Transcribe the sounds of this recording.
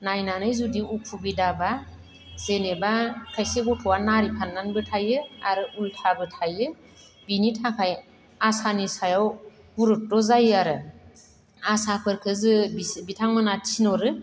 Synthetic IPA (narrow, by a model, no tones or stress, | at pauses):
najnanɯjzudiukʰubidaba | z̥enebakʰajseɡɔtʰɔwanaɾipʰanːanbɯtʰajɯaɾɯultʰabɯtʰajɯ | binitʰakʰaj | asanisajaw | buɾut̚dɔzajɯaɾɯ | asapʰɯɾkʰɯzɯbibitʰaŋmɯnatʰinɔɾɯ